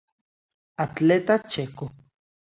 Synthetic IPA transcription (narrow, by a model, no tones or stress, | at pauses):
at͡ɬet̪at͡ʃeko